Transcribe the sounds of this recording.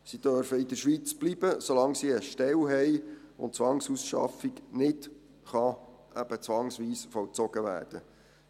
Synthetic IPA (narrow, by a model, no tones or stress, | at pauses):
sid̥œɾfəɪd̪əɾʃʋit͡sb̥lib̥əsolɑŋsiəʃtɛwɦɛjʊ̰ntt͡sʋɑŋsusʃɑ̰fiknɪt | χɑ | ʔæb̥ət͡sʋɑŋsʋiːsfɔlt͡sɔɡ̥əʋæ̰ːrd̥ə